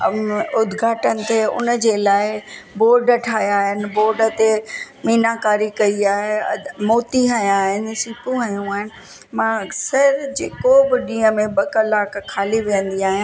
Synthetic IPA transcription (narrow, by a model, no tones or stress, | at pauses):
ʊd̪ʱɡʱaːʈənɪ̆t̪ʰeʊ̰nəd͡ʑeːlaːɪboːɾɖəʈʰaːɦjaːɦɪnɪ̆boːɾɖə̆t̪emiːnakaːɾikɐiaːɦemoːt̪iɦɐjaːɦɪnɪ̆siːpũɦɐjũaːɦɪnɪ̆ | mãɐksəɾd͡ʑeːkobɪɗĩːə̃mẽɓɐkɐlaːkkʰːaːliʋiːə̃nd̪iaːɦɪ̃